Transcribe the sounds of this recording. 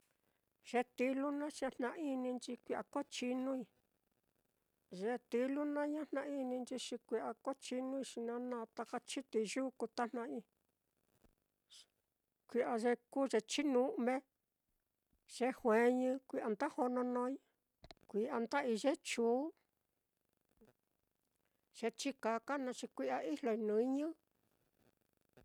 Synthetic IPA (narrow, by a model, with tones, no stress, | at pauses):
ʒ̥e˧t̪i˧lu˦nã˦ʃa˧n̥nã˧ʔi˧nĩ˧nt͡ʃi˧kʷi˧˨ʔa˨ko˦t͡ʃi˧nũ˦i˧ | ʒe˧˦t̪i˧lu˦nã˦ɲã˦n̥nã˧ʔi˧nĩ˧nt͡ʃi˧ʃi˧kʷi˧ʔa˧ko˦t͡ʃi˦nũ˦i˧ʃi˧nã˧nã˧t̪a˧ka˧t͡ʃi˦t̪i˧ʒuː˦ku˧t̪a˦n̥ã˧ĩ˧ | kʷi˧ʔa˧ʒe˧ku˦ʒe˧t͡ʃi˦nũ˧˦mẽ˦ | ʒ̥e˦hwẽ˨˦ɲɨ̃˧kʷi˧ʔa˧nd̪a˦ho˧nõ˧nõ˧˦ɲ̃˧ | kʷi˨˧ʔa˧nd̪a˦ʔi˧ʒe˦t͡ʃuː˨˦ | ʒ̥e˧t͡ʃi˦ka˨˧ka˦nã˧t͡ʃi˧kʷi˧ʔa˧i˦lo˧i˧nũ˨˧˦ɲɨ̃˦